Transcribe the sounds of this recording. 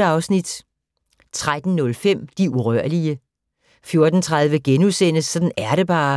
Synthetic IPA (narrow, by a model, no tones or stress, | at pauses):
əɑ̈ʊsnid̥ | t͡sʰʁad̥n̩nɔ̽lfem̰d̥iuʁœɐ̰liə | fjo̝ɐd̥n̩t͡sʰʁaðˠʋəɡ̥enusen̰əsːɒ̽d̥n̩æɐɾe̝b̥ɑ̈ː